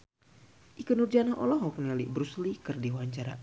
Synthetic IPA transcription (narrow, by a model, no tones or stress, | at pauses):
ʔikənurd͡ʒanaʔɔ̰lɔɦɔknəlibɾuslikɨrdiwaɲt͡ʃaɾa̰